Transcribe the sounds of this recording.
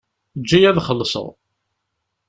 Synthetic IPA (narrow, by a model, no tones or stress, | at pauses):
d͡ʒːæjæðχəlːsə̰ðˤ